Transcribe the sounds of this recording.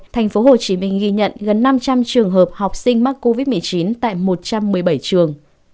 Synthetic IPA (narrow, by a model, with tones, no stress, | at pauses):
t̪ʰɛ˨˩jŋ̟fo˨˦ho˨˩t͡ɕi˨˦mï˧ŋ̟ɣi˧ɲə̰˧˨nɣə˨˩nːa˧mt͡ɕa˧mt͡ɕɨ˨˩əŋɦəː˨˩p̚ha˨˩wk͡p̚sï˧ŋ̟ma˦˥k̚kːo˧vi˦˥t̚mɨ˨˩ət͡ɕi˨˦nt̪a̰ː˧˨jmo˨˩t̚t͡ɕa˧mːɨ˨˩əjɓə˧˩jt͡ɕɨ˨˩əŋ